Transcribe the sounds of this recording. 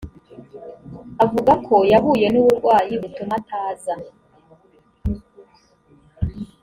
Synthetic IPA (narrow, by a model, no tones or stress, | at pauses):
avuɡakʰo̞jaɦuːje̞nuβuɾɡwaːjiβutumatʰaːza